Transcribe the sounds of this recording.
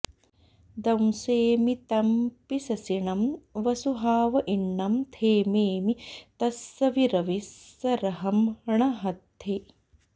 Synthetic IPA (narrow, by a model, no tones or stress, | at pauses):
d̪ɐmseːmit̪ɐmpisɐsiɳɐmʋɐsuɦaːʋɐʔiɳːɐmt̪ʰeːmeːmit̪ɐsːɐʋiɾɐʋisːɐɾɐɦɐmɐɳɐɦɐd̪eː